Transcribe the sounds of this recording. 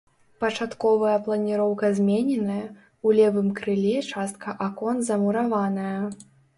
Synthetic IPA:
pɐt͡ʂat̪kɔvɐjɐplˠɐnʲiɾɔwkɐzʲmʲenʲɛnɐjɐ | ulʲɛvɨmkɾɨlʲɛt͡ʂast̪̚kʰɐʔakɔnzɐmuɾavanɐjɐ

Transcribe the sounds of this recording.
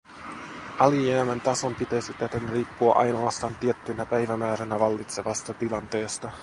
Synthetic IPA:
ʔɑlieæment̪ɑso̞mpit̪ejsit̪æt̪enriːpːuɑʔɑ̰jnoɑst̪ɑːnt̪iet̪ːynæpæjʋæmæːɾænæʋɑlːit̪se̞ʋɑst̪ɑt̪ilɑnt̪e̞ːst̪ɑ

